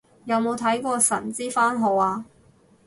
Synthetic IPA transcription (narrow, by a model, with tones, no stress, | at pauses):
jɐ˨˧wmo˨˧wt̪ʰɐ˨˥jkʷɔː˧sɐ˨˩nt͡siː˥faː˥nɦɔː˨˧waː˧